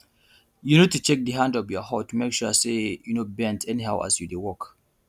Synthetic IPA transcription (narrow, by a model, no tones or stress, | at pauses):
junid̚tut͡ʃɛk̚dəɦãndɔvjɔhɔtumekʃusejunobɛ̃ntɛnihaʊʔa̰sjudewɔk